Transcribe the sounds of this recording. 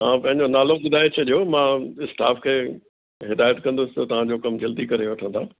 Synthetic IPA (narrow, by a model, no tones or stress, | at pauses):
ɦãːpɐ̃ɦɪ̃ɲd͡ʑonaːloɓʊd̪ʱaːet͡ɕʰɐɗijomãɪsʈaːfkʰeː | ɦɪd̪aːjət̪kɐ̃nd̪ʊsɪ̥t̪ɐt̪ɐʋ̤ãd͡ʑokɐmd͡ʑɐld̪ikɐɾeʋɐʈʰə̃nd̪aː